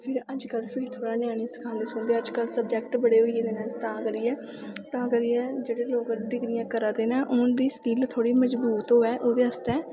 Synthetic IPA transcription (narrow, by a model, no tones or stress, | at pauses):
pʰɪɾəd͡ʒkəlpʰiːʈt̪ʰoːɽaːnɪjãːɽ̃ĩsə̥kʰãːnd̪eːsʊːnd̪eːəd͡ʒkəlsəbd͡ʒɛːkʈbəɽeːɦoːieːd̪eːnãːt̪ãːkəɾiːɛː | t̪ãːkəɾiːɛːd͡ʒeːɽeːloːkɖɪɡɾɪjãːkəɾaːd̪eːnãːʔʊnd̪iːskiːlt̪ʰoːɽiːməd͡ʒbuːt̪ɦoːɛːʔoːd̪eːəst̪ɛː